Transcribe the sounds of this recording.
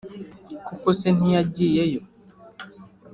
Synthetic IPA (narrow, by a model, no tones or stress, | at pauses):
kukosenijaɟijɛjɔ